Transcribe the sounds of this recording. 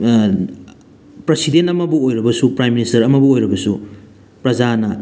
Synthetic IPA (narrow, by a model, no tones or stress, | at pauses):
pɾesidentɐmɐbuojɾɐbɐsupɾajmːinistɐɾɐmɐbuojɾɐbɐsu | pɾɐd͡ʒanɐ